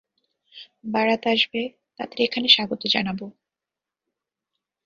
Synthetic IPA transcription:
baɾat̪aʃbe | t̪a̰d̪eɾekʰaneʃaɡot̪od͡ʑa̰nabo

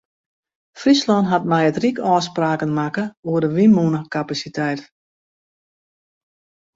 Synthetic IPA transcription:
frislɔnɦat̚mɛjətrikɔːspraːkənmakəuərdəʋimunəkapasitɛjt

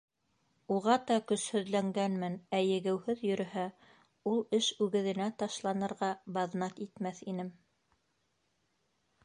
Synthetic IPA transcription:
uʁɑt̪ɑkɵ̆shɵ̆ðlæŋɡænmɘnæjɘ̆ɡɘ̆whɵðjɵ̆ɾɘ̆hæ | ulˠɘʃʉɡɘ̆ðɘ̆næt̪ɑʃlˠɑnɤ̆ɾʁɑbɑðnɑt̪it̪mæθinɘm

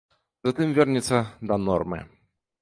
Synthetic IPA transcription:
zɐt̪ɨmvʲɛrnʲit̪sːɐd̪ɐnɔrmɨ̰

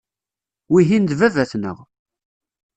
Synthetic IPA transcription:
wiɦind̪vævæθnə̰ʁ

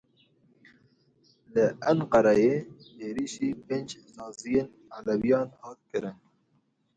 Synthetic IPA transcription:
ləɐnqɑɾɑjeteːɾiːʃiːpeːnd͡ʒzɑːzijeːn | a̰lawijɑːnhɑːt̪̚kɨɾɪn

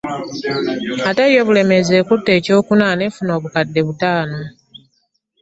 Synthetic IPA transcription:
atajo̞βule̞me̞zeːkutːe̞ːco̞ːkunanefuno̞ːβukadːe̞βutaːno̞

